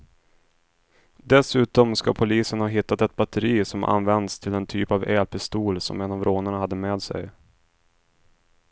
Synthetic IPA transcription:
d̪ɛsʉ̟ːt̪ɔmska̰pʰʊliːsənhɑːɦɪt̪ːat̪ɛt̪̚bat̪əɾiːsɔmʔa̰nvɛnd̪st̪ʰɪlɛnt̪ʰyːpavɛːlpʰɪst̪uːlsɔ̰mɛnavɾoːnəɳahad̪ːəmeːd̪sɛ̰j

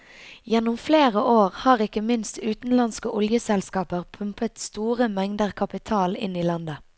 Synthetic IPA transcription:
jɛnʊmfleːʁəʔoːʁhɑːʁɪkəmɪnst̪ʉːt̪n̩lɑnskəʔʊljəsɛlskɑːpəʁpʰʉmpət̪st̪uːʁəmɛŋd̪əʁkʰɑpɪt̪ʰɑːlɪ̰niːlɑnd̪ə

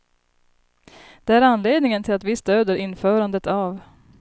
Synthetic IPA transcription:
d̪̥ɛæɾanleːd̪nɪŋənt̪ʰɪlat̪vɪst̪øːd̪əɾɪnːfœːɾand̪ət̪av

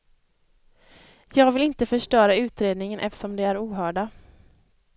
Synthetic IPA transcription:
jɑːɡvɪlɪnt̪əfœʂʈœːɾaʉ̟ːt̪ɾeːd̪nɪŋənʔɛ̰ft̪ə̥ʂɔmd̪ɛæɾuːɦœːɖa

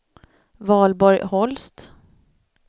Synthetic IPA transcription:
vɑːlbɔɾjhɔlst̪

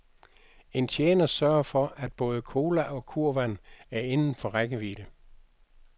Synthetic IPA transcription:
e̝nt͡ɕʰjeːnɐsɶɐɐfɒ̽ʔæd̥̚b̥ɔ̽ːð̞ˠəkʰo̝ːlæʔɒ̽kʰuɐ̰ʋæn̰æɐe̝nn̩fɒ̽ʁaɡ̥əʋiːɾ̥ə

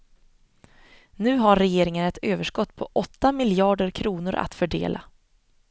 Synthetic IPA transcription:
nʉ̟ːɦaɾːɛjeːɾɪŋənɛt̪øːvəʂkɔt̪ːpʰɔʔɔt̪ːamɪljɑːɖəɾkʰɾuːnʊɾʔa̰t̪fœɖḛːlʔa̰

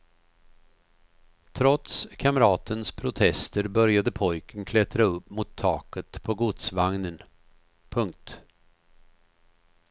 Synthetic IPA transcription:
t̪ʰɾɔt̪skʰaməɾɑːt̪ənspʰɾʊt̪ʰɛst̪əɾbœɾjad̪əpʰɔjkənkʰlɛt̪ɾaɵpːmʊt̪ʰːɑːkət̪pʰɔɡʊt̪svaŋnən | pʰɵŋk̚t̪

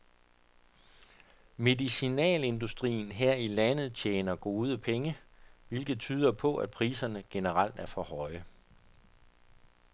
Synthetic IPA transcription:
me̝ðˠisinɛ̰ːle̝nd̥usd̥ʁḭːn̩ɦeɐ̰ilænð̞̩ˠt͡ɕʰjeːnɐɡ̥o̝ːð̞ˠəpʰeŋəʋe̝lɡ̥ð̩ˠt͡sʰyːð̞ˠɐpʰɒ̽ʔæd̥̚pʰʁiːsɐnəɡ̥e̝nəʁal̰d̥æɐfɒ̽hɒ̽ɪə

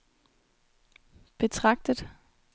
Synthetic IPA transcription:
b̥e̝t͡sʰʁɑ̈ɡ̥̚d̥əð̥ˠ

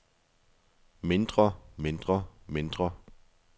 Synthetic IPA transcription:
me̝nd̥ʁɐme̝nd̥ʁɐme̝nd̥ʁɐ

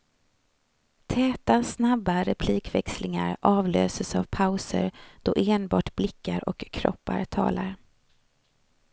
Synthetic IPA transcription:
t̪ʰɛːt̪asnabːaɾɛpʰliːkvɛkslɪŋaɾʔɑːvløːsəsavpʰaʊsə̰ɾd̪̥ɔʔeːnbɑːʈblɪkːaɾɔkʰːɾɔ̰pːa̰ɾt̪ʰɑ̰ːlaɾ

